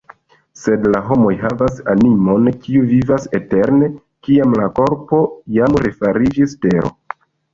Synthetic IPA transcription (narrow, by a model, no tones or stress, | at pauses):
se̞dlaɦo̞mo̞jɦavasanimo̞nkiuvivase̞te̞ɾne̞ | kiamlako̞ɾpo̞jamɾefaɾid͡ʒiste̞ɾo̞̰